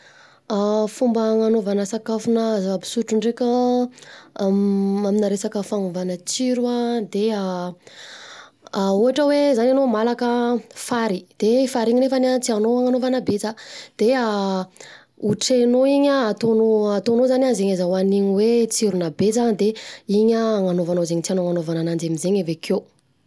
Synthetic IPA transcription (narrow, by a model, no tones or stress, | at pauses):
afumbəŋanovanəsakafunəabi̥suʈ͡ʂuɳɖ͡ʐekʲa | aminaɾesakəfanuvanət͡siɾuad̪ea | auɦaʈ͡ʂəwezananomalakəfaɾid̪̥efaɾiɲinefanat͡sianoaŋanovanabed͡zad̪̥ea | uʈ͡ʂenoiɲəːt̪onoat̪onozananzeɲazawaniɲiwet͡siɾunabezand̪eiɲəːŋanovanozeɲit͡sianoŋanovananand͡ʒamizeɲevekʰe